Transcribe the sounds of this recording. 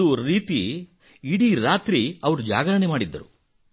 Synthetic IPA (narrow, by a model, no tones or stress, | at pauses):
uɾiːt̪i | iɽiɾaːt̪ɾiɐʋɐɾud͡ʒa̰ːɡɐɾɐɳemaːɽid̪ːɐ̰ɾu